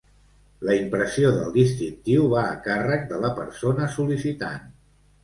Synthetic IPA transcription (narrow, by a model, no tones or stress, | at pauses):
ləimpɾəsioðəlˠd̪ist̪ɾint̪iwβaəkarək̚d̪ələpəɾsonəsulisit̪a̰n